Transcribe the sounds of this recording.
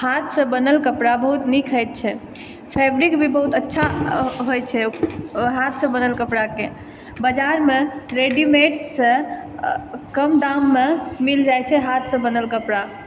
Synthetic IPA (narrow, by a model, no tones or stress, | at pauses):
hat̪ʰsə̃bənəlkəpɽabəɦut̪nikʰəjt̪̚t͡ʃʰɛ | pʰɛbɾikbʱibəɦut̪ətːʃʰaɦojt͡ʃʰɛ | ɦat̪ʰsə̃bənəlkəpɽake | bəd͡ʒaɾmeɾeɖimeʈsə̃ | kəmd̪amːemild͡ʒajt͡ʃʰɛɦat̪ʰsə̃bənəlkəpɽa